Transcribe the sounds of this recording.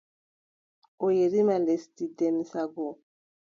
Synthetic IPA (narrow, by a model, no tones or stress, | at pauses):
ojeɾimalestidɛmisaɡo